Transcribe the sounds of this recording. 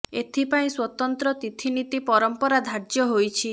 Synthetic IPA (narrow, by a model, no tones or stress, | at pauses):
et̪ʰipaĩswɔt̪ɔnt̪ɾɔt̪it̪ʰinit̪ipɔɾɔmpɔɾad̪ʱaɾd͡ʒjɔɦojt͡ʃʰi